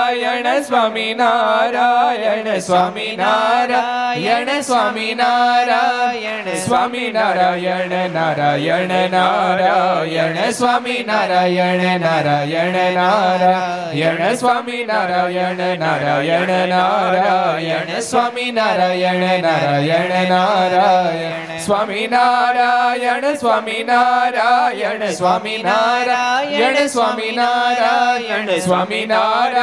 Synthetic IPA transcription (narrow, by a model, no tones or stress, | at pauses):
jɛɐsʋaːminaɾajɛɳsʋaːminaɾajɐɳəsʋaːminaːɾa | sʋaːminaɾajɛɳnaːɾajɛɳənaɾajɐnəsʋaːminaːɾajɛɳnaɾajɐɳənaɾa | jɛɳəsʋaːminaɾajɛɳnaɾajɛɳnaɾajsʋaminaɾajɛɳnaɾajɛɐɳnaɾaj | sʋaːminaɾajɐɳsʋaːminaɾajɛɳsʋaːminaɾajɐɳsʋaːminaɾajsʋaːminaɾa